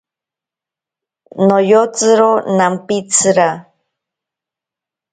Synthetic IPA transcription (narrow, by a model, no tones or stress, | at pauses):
nojot͡sɨɾonampit͡sʰɨɾa